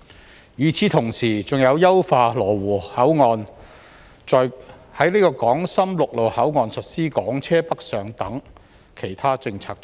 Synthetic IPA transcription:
jyː˨˧t͡sʰiː˨˧˥t̪ʰʊ˨˩ŋsiː˨˩t͡sʊ˨ŋjɐ˨˧wjɐ˥wfaː˧lɔː˨˩wuː˨˩hɐ˨˥wŋɔː˧n | t͡ʃɔː˨j | hɐ˨˥jniː˥kɔː˧kɔː˨˥ŋsɐ˥mlʊ˨k̚lo˨whɐ˨˥wŋɔː˧nsɐ˨t̚siː˥kɔː˨˥ŋt͡sʰɛː˥pɐ˥k̚sœː˨ŋt̪ɐ˨˥ŋ | kʰe˨˩jt̪ʰaː˥t͡sɪ˧ŋt͡sʰaː˨˧k̚

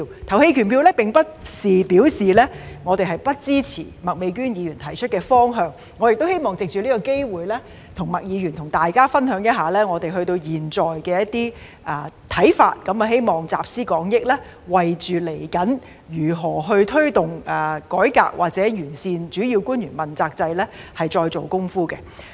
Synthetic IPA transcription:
t̪ʰɐ˨˩whe˧jkʰyː˨˩npiː˧wlɛː˥pɪ˨ŋpɐ˥t̚siː˨˩pi˨˥wsiː˨lɛː˥ŋɔː˨˧t̪e˨jɦɐ˨˩jpɐ˥t̚t͡siː˥t͡sʰḭː˨˩mɐ˨˩k̚me˨˧jkyː˥njiː˨˧jyː˨˩nt̪ʰɐ˨˩jt͡ʃʰɵ˥t̚kɛː˧fɔː˥ŋɦœː˧ŋ | ŋːɔ˨˧jɪ˨k̚t̪whe˥jmɔː˨˩ŋt͡sɪ˨k̚t͡ʃyː˨liː˥kɔ˧ke˥jwuː˨˩jlɛː˥ | t̪ʰʊ˨˩ŋmɐ˨k̚jiː˨˧ɥyː˨˩nt̪ʰʊ˨˩ŋt̪aː˨˩jkaː˥fɐ˥nɦœː˨˥ŋjɐ˥t̚ɦaː˨˩lɛː˥ŋɔː˨˧t̪e˨jɦɵ˧ɥt̪o˧wjiː˨˩nt͡sɔː˨jkɛː˧jɐ˥t̚t̪iː˥ | aː˧˩t̪ʰɐ˨˥jfa̰ː˧t̚kɐ˨˥mɐ˨˧ɦe˥jmɔː˨ŋt͡sa̰ː˨p̚siː˥kɔː˨˥ŋjɪ˥k̚lɛː˥ | wɐ˨jt͡ʃyː˨le˨˩jkɐ˨˥n | jyː˨˩ɦɔː˨˩ɦɵ˧ɥt̪ʰɵ˥ɥt̪ʊ˨ŋʔɐː˨˩kɔː˨˥jka̰ː˧˩k̚wʔa̰ː˨k̚t͡sɛː˨˥jyː˨˩nsiː˧nt͡ʃyː˨˥jiː˧wkuː˥njyː˨˩nmɐ˨˩nt͡saː˧k̚t͡sɐ˧jlɛː˥hɐ˨jt͡ʃɔː˧jt͡so˨wkʊ˥ŋfuː˥kɛ˧

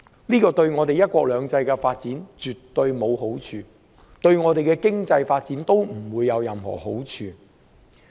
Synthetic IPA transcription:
niː˥kɔː˧t̪ɵ˧ɥŋɔː˨˧t̪e˨jɐ˥t̚kwɔː˧˥k̚lœː˨˧ŋt͡sɐ˧jkɛ˧faː˧t̚t͡siː˨˥nt͡ʃyː˨˩tt̪ːɵ˧ɥmo˨˧who˨˥wt͡ʃʰyː˧ | t̪ɵ˧ɥŋɔː˨˧t̪e˨jkɛ˧kɪ˥ŋt͡sɐ˧jfaː˧t̚t͡siː˨˥nt̪o˥wm̩˨˩wuː˨˧jːɐ˨˧wjɐ˨mhɔ̰ː˨˩ho˨˥wt͡ʃʰyː˧

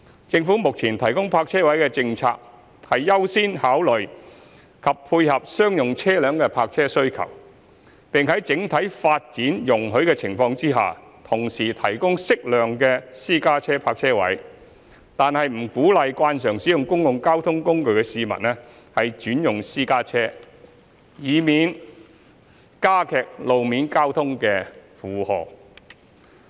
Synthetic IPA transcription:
t͡sɪ˧ŋfuː˨˥mʊ˨k̚t͡sʰiː˨˩nt̪ʰɐ˨˩jkʊ˥ŋpʰaː˧k̚t͡sʰɛː˥wɐ˨˥jkɛ˧t͡sɪ˧ŋt͡sʰa̰ː˧k̚ | hɐ˨jːɐ˥wsiː˥nhaː˨˥wlɵ˨˩ɥ | kʰɐ˨ppʰːuː˧jhɐ˨p̚sœː˥ŋjʊ˨ŋt͡sʰɛː˥lœː˨˥ŋkɛ˧pʰaː˧k̚t͡sʰɛː˥sɵ˥ɥkʰɐ̰˨˩w | pɪ˨ŋɦɐ˨˥jt͡sɪ˨˥ŋt̪ʰɐ˨˥jfaː˧t̚t͡siː˨˥njʊ˨˩ŋɦɵ˨˥ɥkɛː˧t͡sʰɪ˨˩ŋfɔː˧ŋt͡siː˥ɦa̰ː˨t̪ʰʊ˨˩ŋsiː˨˩t̪ʰɐ˨˩jkʊ˥ŋsɪ˥k̚lœː˨ŋkɛː˧siː˥kaː˥t͡sʰɛː˥pʰaː˧k̚t͡sʰɛː˥wɐ̰˨˥j | t̪aː˨nhɐ˨jm̩˨˩kuː˨˥lɐ˨jkwaː˧nsœː˨˩ŋsiː˨˥jʊ˨ŋkʊ˥ŋjʊ˨ŋkaː˥wt̪ʰʊ˥ŋkʊ˥ŋkɵ˨˧ɥkɛ˧siː˧mɐ̰˨tnɛ˥ | hɐ˨jt͡ʃyː˨˥njʊ˨ŋsiː˥kaː˥t͡sʰɛː˥ | jiː˨˧miː˨n | kaː˥kʰɛː˨k̚lo˨wmiː˨˥nkaː˥wt̪ʰʊ˥ŋkɛː˧fuː˨hɔ̰ː˨

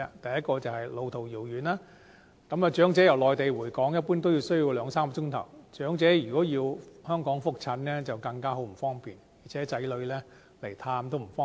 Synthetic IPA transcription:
a˧t̪ɐ˨jɐ˥t̚kɔː˧t͡sɐ˨˩whɐ˨jlo˨˧wt̪ʰo˨˩wjiː˨˩wjyː˨naː˥ | kɐ˨˥maː˨˩t͡ʃœː˨˥ŋt͡sɛː˨˥jɐ˨˩wlɔː˨jt̪e˨jwuː˨˩jkɔː˨˥ŋjɐ˥t̚puː˥nt̪o˥wji˧wsɵ˥ɥji˧wlœː˨˧ŋsaː˥mkːt͡ʃʊ˥ŋt̪ʰɐ˨˩wt͡ʃœː˨˥ŋt͡sɛː˨˥jyː˨˩kɔː˨˥jiː˧whœː˥ŋkɔː˨˥ŋfʊ˥k̚t͡sʰɐ˨˧˥nlɛː˥t͡sɐ˨wkɐ˧ŋkaː˥ɦo˨˥wm̩˨˩fɔː˥ŋpiː˨˩nji˨˩t͡sʰɛː˨˥t͡sɐ˨˥jlɵ˨˧˥ɥlɛː˥ | le˨˩jt̪ʰaː˧mt̪o˥wm̩˨˩fɔː˥

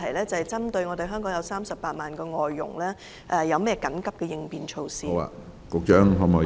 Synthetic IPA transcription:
ɐ˨˩jlɛː˥t͡sɐ˨hɛ˨˩jt͡sɐ˥mt̪ɵ˧ɥŋɔː˨˧d̪e˨jɦœː˥ŋkɔː˨˥ŋjɐ˨˧wsaː˥msɐ˨pːaː˧t̚maː˨nkɛː˧ŋɔː˨jːʊ̰˨˩ŋlɛː˥ | ʔɛ˧jɐ˨˧wmɛː˥jɛ˧kɐ˨˥nkɐ˨˥p̚kɛː˧jɪ˧ŋpiː˨nt͡ʃʰo˧wsiː˨˦wa̰ː˧˨ | kʊ˨˧k̚t͡ʃœː˥ŋɦɔ˨˧mɔ˨˩

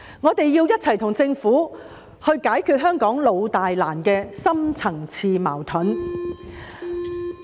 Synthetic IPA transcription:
ŋɔː˨˧t̪e˨jːiː˧wjɐ˥t̚t͡sʰɐ˨˩jt̪ʰʊ˨˩ŋt͡sɪ˧ŋfuː˨˥ | hɵ˧ɥkaː˨˥jkʰyː˧t̚ɦœː˥ŋkɔː˨˥ŋlo˨˧wt̪aː˨jlaː˨˩nkɛː˧sɐ˥mt͡sʰɐ˨˩ŋt͡sʰiː˧ma̰ː˨˩wt̪ʰɵ˨˥n

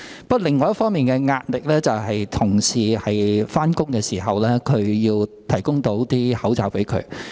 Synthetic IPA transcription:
pɐ˥t̚lɪ˨ŋːɔː˧jɐ˥tfɔː˥ŋmiː˨nkɛː˧ŋaː˧t̚lɪ˨k̚lɛː˥t͡sɐ˨wɦɐ˨jt̪ʰʊ˨˩ŋsiː˨hɐ˨jfaː˥nkʊ˥ŋkɛː˧siː˨˩ɦɐ˨wlɛː˥kʰɵ˨˧ɥjiː˧wt̪ʰɐ˨˩jkʊ˥ŋt̪o˨˥wt̪iː˥hɐ˨˥wt͡saː˨wpe˨˥jkʰɵ̰˨˧ɥ

